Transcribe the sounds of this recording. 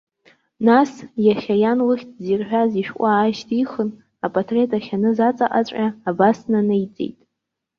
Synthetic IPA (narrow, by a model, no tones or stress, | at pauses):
nasjaχʲajanlɨχʲtʰʼzirħᶣaziʃᶣkʷʼaːʃtʰʼiχən | apʼatʰre̞tʼaχʲanɨzat͡sʼa̰ʔʼa̰t͡ɕʷʼʲaːbasnanɨjt͡sʼḛjtʼ